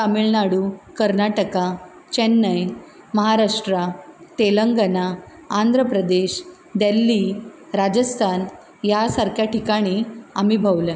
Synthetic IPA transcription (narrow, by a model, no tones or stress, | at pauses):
tamilnaɽukəɾnaʈəka | t͡ɕɛnːəj | məɦaɾaʂʈɾat̪eləŋɡənaː | nd̪ʱɾəpɾəd̪eɕ | d̪elːi | ɾad͡ʑəst̪ʰan | jasaɾkjaʈʰikaɽ̃iamiːbʱəwle